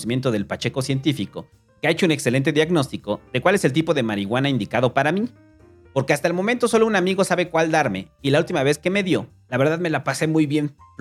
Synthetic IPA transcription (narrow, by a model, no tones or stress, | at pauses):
simje̞nt̪oð̞e̞lpat͡ʃe̞ko̞sje̞nt̪ifiko̞ | keaet͡ʃoune̞kse̞le̞nt̪̬e̞ðjaɣno̞st̪iko̞ðekwale̞selt̪̬ipo̞ðe̞maɾiɣwanaind̪ikaðo̞paɾami | po̞ɾkeast̪aelmo̞ment̪o̞so̞lounamiɣo̞saβe̞kwald̪aɾme̞ilault̪imaβe̞ske̞me̞ðjo̞ | laβe̞ɾðaðmelapase̞mujβje̞n